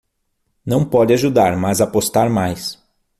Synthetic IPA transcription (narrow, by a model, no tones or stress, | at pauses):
nɐ̃w̃pɔd͡ʒɪaʒud̪aɾmazapost̪aɾmajs